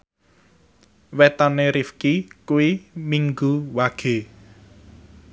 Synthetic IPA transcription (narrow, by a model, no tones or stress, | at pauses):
wet̪ɔneɾifkikuwimiŋɡuwaɡ̥e̤